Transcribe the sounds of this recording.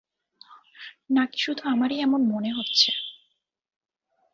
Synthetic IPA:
naki̥ʃud̪ʱuamaɾiɛmonmoneɦotːɕʰe

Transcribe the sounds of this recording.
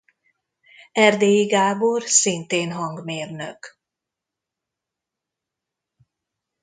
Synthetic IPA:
ɛrd̪eːjiɡaːborsint̪eːnɦɒŋɡmeːrnø̰k

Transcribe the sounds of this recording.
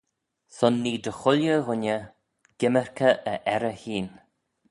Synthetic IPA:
sʊnːiːd̪əxʊljəɣʊnə | ɡ̥ɪməɹkʰəʔəʔɛɾəhiːn

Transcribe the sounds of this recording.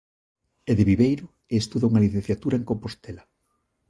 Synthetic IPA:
eðeβiβejɾʊ | eːst̪uðauŋɐliθẽn̟θjat̪uɾaeŋkompost̪ela

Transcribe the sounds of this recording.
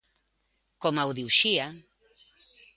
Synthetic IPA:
komawðiuʃia

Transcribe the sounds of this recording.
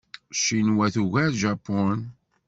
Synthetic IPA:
ʃinwæθuʝæɾʒɑpːɔn

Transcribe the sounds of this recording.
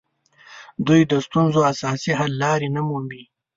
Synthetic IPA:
d̪ujd̪əst̪unzoasɑːsiɦalːɑːɾinamumbi

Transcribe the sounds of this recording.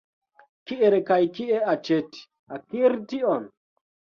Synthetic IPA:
kiʔeɾekajkieat͡ʃeti̥ | akiɾtiɔn

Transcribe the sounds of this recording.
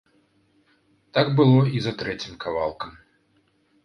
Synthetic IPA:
t̪aɡbɨlˠɔizɐt̪ɾɛt͡sʲimkʰavalˠkɐm

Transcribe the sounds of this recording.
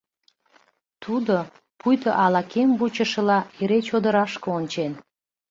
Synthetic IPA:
t̪ʰud̪o | pujt̪əʔɑlɑkembut͡ɕəʃə̆lɑeɾet͡ɕod̪əɾɑʃkəonʲt͡ɕen

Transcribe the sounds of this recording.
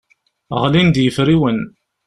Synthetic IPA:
ʁlind̪jəfɾiwən

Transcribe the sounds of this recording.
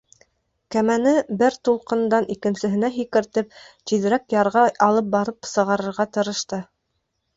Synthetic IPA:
kæmænɘbɘɾt̪ulˠqɤ̆nd̪ɑnikɘ̆nsɘ̆ɦɘ̆næɦikɘ̆ɾt̪ɘp̚t̪iðɘ̆ɾækjɑɾʁɑɑlˠɤp̚bɑɾɤpsɤ̆ʁɑɾɤ̆ɾʁɑt̪ɤ̆ɾɤ̆ʃt̪ɤ

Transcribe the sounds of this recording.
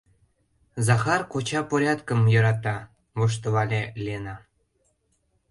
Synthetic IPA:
zɑxɑrkot͡ɕɑpoɾʲɑt̪kə̆mjɤɾɑt̪ɑ | βoʃ̬t̪oβɑlʲelʲienɑ

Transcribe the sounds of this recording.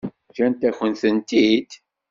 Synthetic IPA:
çɾænt̪æçənθənt̪id̪

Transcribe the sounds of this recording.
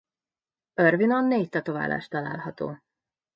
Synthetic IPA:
ørvinonːeːct̪ɒt̪ova̰ːlʔa̰ːʃt̪ɒla̰ːlhɒt̪o̰ː

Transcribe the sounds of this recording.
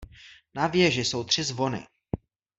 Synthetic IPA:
navjɛʒɪso̞wt̪r̥ɪzvo̞nɪ̰

